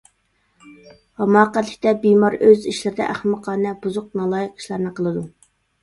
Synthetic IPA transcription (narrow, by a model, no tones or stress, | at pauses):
ɑmɑːqəlːɪkʲt̪ɛbimɑɾøziʃlɪɾɪd̪ɛ̰ʔæχməqʰɑːnɛbuzʊq̚nɑlˠɑːjəqi̥ʃlˠɑɾnɨqʰəlˠɨd̪u